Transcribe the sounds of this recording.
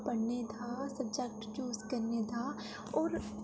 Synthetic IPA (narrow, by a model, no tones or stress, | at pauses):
bɐɽnet̪ʰasɐbd͡ʒɛk̚ʈjuːzkɐɾnet̪ʰa | ɔːɾ